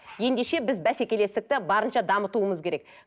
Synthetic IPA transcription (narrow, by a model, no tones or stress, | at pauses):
je̞nd̪eʃe̞bɪzbæsekʲe̞le̞st̪ɪk̚t̪ɪbɑɾənʃɑd̪ɑmət̪uəməzkʲʰe̞ɾe̞k